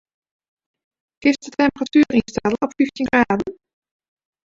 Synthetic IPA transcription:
kɪsdətɛmpəratyːrinstɛlˠɔpfyftinŋɡraːdn̩

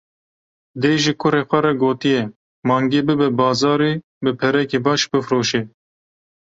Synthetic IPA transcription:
d̪eːʒikʰʊɾeːxʷɛɾɛɡoːt̪ijɛ | mɑːŋɡeːbɨbɛbɑːzɑːɾiː | bɨpʰɛɾɛkeːbɑːʃbɨfɾoːʃeː

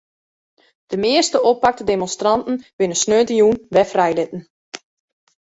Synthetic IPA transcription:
d̥əmɪəstəʔopak̚tədemɔnstrɑntn̩ʋɪnəsnøːtəjunʋɛfrɛjlɪtn̩

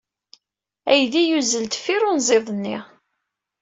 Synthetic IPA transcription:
æjðijuzəlt̪fiɾʊnzˤeðˤnːɪ̰ʁ

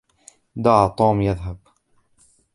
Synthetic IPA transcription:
d̪ɑʕt̪ˤoːmjaðɦab̚

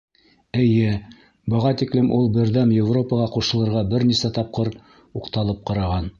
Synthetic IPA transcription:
ɘ̆jɘ | bɤ̆ʁɑt̪iklɘmʔulˠbɘ̆ɾðæmjɪvro̞pəʁɑquʃɤ̆lˠɤ̆ɾʁɑbɘɾnisæt̪ɑp̚qɤɾ | uqt̪ɑlˠɤp̚qɑɾɑʁɑn

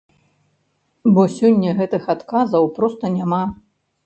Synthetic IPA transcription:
bɔsʲɔnʲːɐɣɛt̪ɨxat̪kazɐwpɾɔst̪ɐnʲama

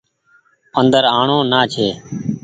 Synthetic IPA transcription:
ənd̪əɾaːɳõːnaːt͡ʃʰeː

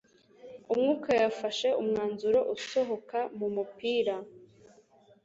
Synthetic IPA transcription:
umŋuːkajafaʃe̞umŋaːnzuɾo̞ʔuso̞ɦo̞kamumupiːɾa

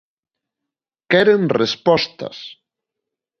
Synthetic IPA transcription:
kɛɾenrespɔst̪ɐ̰s

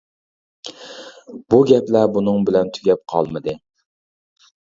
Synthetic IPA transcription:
b̥uɡʲɛplæbunɨŋbɪlɛnt̪ʰyɡʲɛp̚qʰɑ̰lˠmɨd̪ɪ

